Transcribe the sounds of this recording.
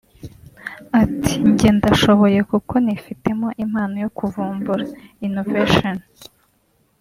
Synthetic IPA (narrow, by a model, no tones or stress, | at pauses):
atʰi̥ɲɟe̞ndaʃo̞βo̞je̞kuko̞nifite̞mo̞ʔim̥haːnojo̞kuvuːmbuɾainoveʃon